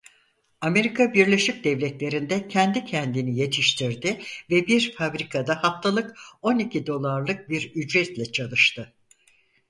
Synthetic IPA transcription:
ame̞ɾikʰabiɾlʲe̞ʃic̚d̪ɛvlʲɛt̪lʲe̞ɾind̪ɛcʰɛnd̪icʰɛnd̪inije̞t̪ʰiʃt̪ʰiɾd̪ɪvɛbiɾfabɾikʰad̪ahaft̪ʰalˠɯko̞nicʰid̪o̞lˠaɾlˠɯk̚biɾyd͡ʒɾɛt̪lʲɛt͡ʃʰalˠɯʃt̪ʰɯ

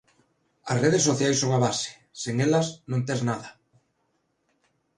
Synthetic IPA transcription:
ɐ̰sreð̞esoθjajsoŋaβasɪ̥ | seŋelɐsnõnt̪eznaðɐ

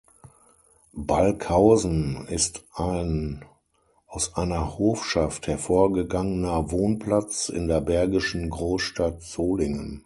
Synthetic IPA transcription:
balkʰhaʊzn̩ɪstʔaɪn | ʔaʊsʔaɪnɐhoːfʃafthɛɐfoːɐɡəɡaŋənɐvoːnpl̥at͡sɪ̰ndeːɐbɛɐɡɪʃn̩ɡʁoːsʃtatz̥oːlɪŋən

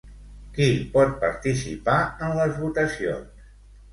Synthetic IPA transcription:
kipɔt̪̚pəɾt̪isḭpaənləzβut̪əsio̰ns

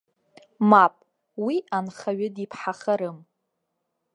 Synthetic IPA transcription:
mapʼ | wianχaɥɨdipʰħaχaɾɨm

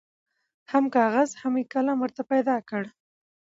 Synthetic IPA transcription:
hamkɑɣazhamikalamwəɾt̪apajd̪ɑkəɽ

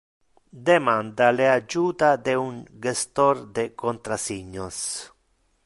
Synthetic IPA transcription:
d̪emand̪alead͡ʒuːt̪ad̪euŋɡest̪ɔɾd̪ekont̪ɾasiɲːos

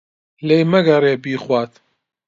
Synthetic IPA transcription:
lejmɐɡɐreːbiːχwaːt̪

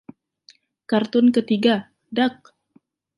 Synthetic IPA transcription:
kart̪ʊnkət̪iɡa | dak̚

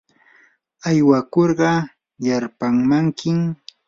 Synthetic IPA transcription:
ajwakoɾɢɑ | jaɾpaŋmaŋkɪm

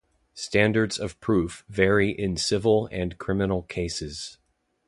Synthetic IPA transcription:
stæ̃ndə˞dzʌv̥pʰɹ̥ʉfvɛɹiʔɪ̃nsɪvl̩ˠɨ̃nkʰɹ̥ɪ̃mɨnl̩ˠkʰeɪsɨz̥

